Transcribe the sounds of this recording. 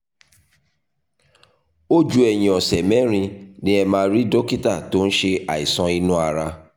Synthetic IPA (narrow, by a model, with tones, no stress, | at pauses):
o˦d͡ʒu˦ɛ˨j̃ĩ˨ɔ̃˨sɛ˨mɛ̃˨˦ɾ̃ĩ˧nĩ˦ɛ˧mãː˧˦˧ɾi˦do˦ki˦ta˦˨to˦n̩˦ʃe˧a˨i˨sɔ̃˧i˧nũ˦a˧ɾa˧